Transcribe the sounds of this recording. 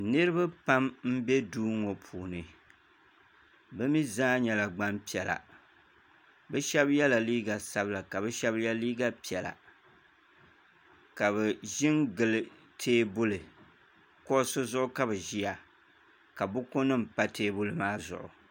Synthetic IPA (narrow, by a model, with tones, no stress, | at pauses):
nɨ˦ɾɨ˦ba˦pa˦mm̩˦bɛ˦duː˦ŋo˨pʰuː˨nɨ˨ | bɛ˦mi˦zaː˦ɲɛ˨la˨ɡ͡ba˦mpi˨ɛ˨la̰˨ | bɛ˦ʃɛ˦bjɛ˦la˨liː˦ɡa˨sa˦bɨ˦la˨ka˨bɛ˦ʃɛ˦bjɛ˦liː˦ɡa˦pi˨ɛ˨la̰˨ | ka˨βɛ˨ʒɪ˦nɡɨ˨lɨ˦ | tʰeː˦bʊ˦lɨ˨ | ko˦sɨ˦zʊ˦ʔʊ˦ka˦bɛ˨ʒi˦ja˨ | ka˨bʊ˦ko˦nɨ˦m̩˨pa˦tʰeː˦bʊ˦lɨ˨maː˦zʊ̰˨ʔʊ̰˨